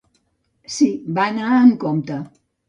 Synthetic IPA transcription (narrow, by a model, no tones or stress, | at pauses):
sibanaəŋkomt̪a